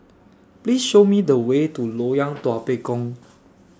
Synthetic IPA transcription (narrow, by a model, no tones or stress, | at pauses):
plisʃomidəwetulojãŋtɔapekɔ̃ŋ